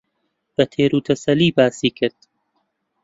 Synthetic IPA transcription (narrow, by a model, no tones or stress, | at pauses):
b̥ɐt̪ʰeːɾuːt̪ʰɐsɐliːbaːsiːkʰɨɾd̪̥̚